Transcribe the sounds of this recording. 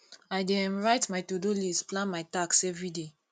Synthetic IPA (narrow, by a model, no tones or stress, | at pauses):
ajdɛ̃mɹajtmajtodolisplãnmaɪtaksɛvɹide